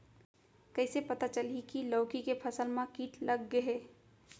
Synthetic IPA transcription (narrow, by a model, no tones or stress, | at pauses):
kəɪsepət̪at͡ʃəlikiləːkikepʰəsəlmãkiːʈʰləɡːəɦeː